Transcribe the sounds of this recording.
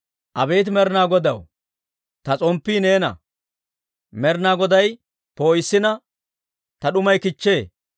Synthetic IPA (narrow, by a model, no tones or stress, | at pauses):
ʔɐbe̞ːt̪̬mɛɾnaːɡɔd̪ɐw | t̪ɐt͡sʼɔmpːiːne̞ːnɐ̰ | mɛɾnaːɡɔd̪ɐj | poːjɪsːɪnɐ | t̪ɐɗʊmɐjkɪt͡ʃːe̞ː